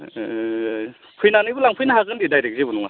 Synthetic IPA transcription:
pʰɯjnanɯjbulaŋpʰɯjnaɦaɡɯndidajɾek̚zibunuŋa

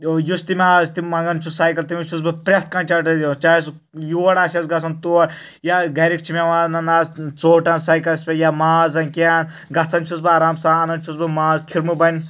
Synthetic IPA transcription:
just̪imʲaːzt̪imɐŋɡɐnt͡ʃʰusajkɐlt̪imit͡ʃʰusbɨpɾʲɐt̪ʰkɐnt͡ʃaʈɐd̪ot͡ʃas | juɐɽaːsʲɐsɡɐt͡sʰɐnt̪uɐɽ | jaɡɐɾik̚t͡ʃʰimeʋanɐnaːzt͡soːʈɐnsajkɐlɐsʲpʲejamaːzɐnkʲaan | ɡɐt͡sʰɐnt͡ʃʰut͡sbɨaːɾaːmsaɐnɐnt͡ʃʰusbɨmaːzkʰiɾmubɐn

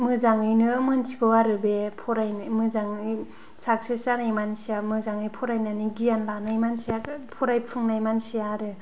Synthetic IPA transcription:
mɯzaŋɯjnɯmɯnsʰikɯwaɾɯbepʰɔɾajmɯzaŋɯj | sʰak̚sʰɯsanajmansiamɯzaŋɯjpʰɔɾajnaniɡijanlanajmansiapʰɔɾajpʰɯŋnajmansijaɾɯ

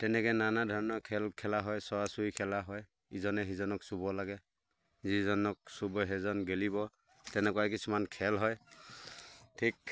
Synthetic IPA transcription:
tɛnɛkɛnanadʱɔɹnɔkʰɛlkʰɛlaɦɔjsɔwasujkʰɛlaɦɔj | izɔnɛɦizɔnɔksubɔlaɡɛ | zizɔnɔk̚subɔɦɛzɔnɡelibɔ | tɛnɛkɔwakisumankʰɛlɦɔj | tʰik

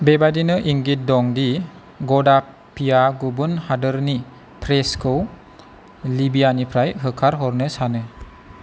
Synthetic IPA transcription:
bebadinɯʔiŋɡit̚dɔŋdi | ɡɔda | pijaɡubɯnhadɯɾni | pʰɾeskʰɯw | libijanipʰɾajɦɯkʰaɾɦɔɾnɯsanɯ

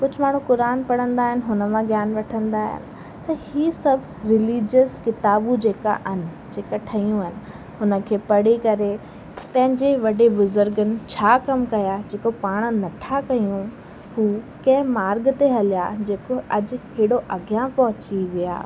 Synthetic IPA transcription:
kʊd͡ʑʱʊ̆maːɽ̤ũkʊɾaːnpɐɽ̃ə̃nd̪aːɦɪnɪ̆ɦʊnəmãɡjaːnʋɐʈʰə̃nd̪aːɦɪ̰nɪ̆ | t̪ɐhiːsɐbʱ | ɾɪliːd͡ʑəskɪt̪aːbud͡ʑeːka̰ʔɐnɪ̆d͡ʑeːkaʈʰɐjũɐnɪ̆ | ɦʊnə̆kʰeːpɐɽikɐɾe | p̪ɐ̃ɦɪ̃ɲd͡ʑeʋɐɖebʊzʊɾɡənɪ̆t͡ɕʰaːkɐmkɐjad͡ʑeːkopaːɽ̃nɐt̪ʰakɐjũ | huːkɐ̃ɦɪ̃maːɾɡt̪eɦɐlja̰d͡ʑeːkoʔɐd͡ʑkeːɽoʔɐɡjãpɐɦʊt͡ɕiʋija̰ː

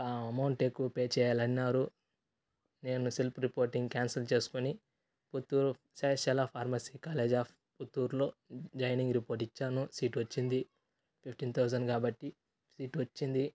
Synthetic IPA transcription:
amɐwɳʈekːupeːt͡ʃɛːjaːlɐnːaːɾu | ne̞ːnusilpʰɾipoːɾʈiŋɡkʲaːnsɐlt͡ʃe̞ːsu̥kuni | put̪ːuːɾu | saːʃɐlaːpʰaːɾmɐsiːkaːleːd͡ʒaː | put̪ːuːɾlo̞ːd͡ʒɐjniŋɡɾipoːɾʈit͡ʃːaːnusiːʈʋɐt͡ʃːind̪i | pʰip̚ʰʈiːnt̪ʰɐwzɐnɖkaːbɐʈːi | siːʈʋɐt͡ʃːind̪i

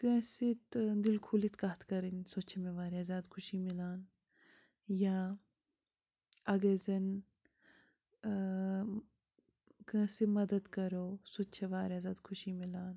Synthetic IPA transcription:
kẽːsit̪d̪ilkʰulit̪kat̪ʰkɐɾinsot͡ʃʰemẽʋaːɾazaːd̪kʰuʃimilaːn | jaː | ɐɡezɐn | kɐ̃ːsimɐd̪ɐd̪kɐɾoːsot͡ʃʰeʋaːɾazaːd̪kʰʊʃimilaːn

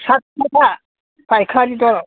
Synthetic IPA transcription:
sat̚kɔta | pajkʰaɾidɔɾɔ

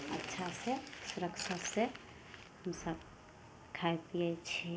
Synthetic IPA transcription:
ətːʃʰasẽsuɾəkt͡ʃʰase | həmsəb | kʰaep̪iɛt͡ʃʰɛ

